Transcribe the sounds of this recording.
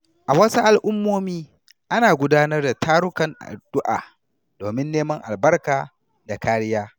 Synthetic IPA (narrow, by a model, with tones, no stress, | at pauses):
ʔa˨wɐ˦su˦ʔa˨lʔʊ˦mːoː˦miː˦ | ʔa˦naː˨ɡʷʊ˦daː˦nɐ˦rda˨tʰaː˦ɾʊ˦kɐ˨ŋʔa̰˨dʊ˦ʔa̰ː˨ | d̥oː˨mɪ˦nːeː˦mɐ˦ŋʔa̰˨lbɐ˦rkaː˨ | da˨kaː˦ɾɪ˦jaː˦